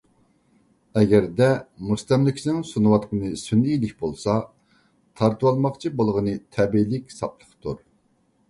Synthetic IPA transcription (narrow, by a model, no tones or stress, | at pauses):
ɛɡʲɛɾd̪ɛmust̪ɛmlɪkʲʰsɪnɪŋsunuwɑt̪qənɨsynijlɪkʲbolˠsɑ | t̪ʰɑɾt̪ɨwɑlˠmɑqt͡ʃʰibolˠʁənɨt̪ʰɛbilɪkʲsɑplˠəχt̪uɾ